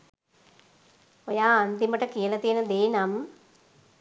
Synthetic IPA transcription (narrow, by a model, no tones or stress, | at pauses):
ojaːnd̪imɐʈːɐkiːɐlɐt̪eːnɐd̪eːnɐm